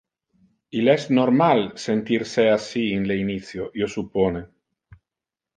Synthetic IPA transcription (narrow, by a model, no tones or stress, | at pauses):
ilɛznoɾmalsent̪iɾseasiːnleiniθjojosupone